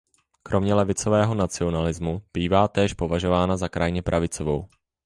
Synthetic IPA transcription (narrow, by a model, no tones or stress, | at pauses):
kɾʔo̞mɲɛlɛvɪt͡so̞vɛːɦo̞nat͡sɪo̞nalɪzmub̥iːvaːt̪ɛːʃpo̞vaʒo̞vaːnazakɾajɲɛpɾʔavɪt͡so̞vow